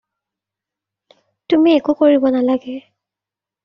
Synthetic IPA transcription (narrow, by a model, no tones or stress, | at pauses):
tumiekukoɹibɔnalaɡɛ